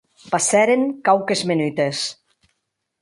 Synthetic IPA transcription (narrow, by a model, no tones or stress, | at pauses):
pasɛɾeŋkawkezmenyt̪es